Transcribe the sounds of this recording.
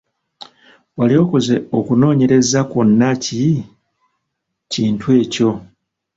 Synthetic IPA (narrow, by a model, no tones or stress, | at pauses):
walio̞ːko̞ze̞okuno̞ːɲe̞ɾe̞zakonːaci | ciːntwe̞ːco̞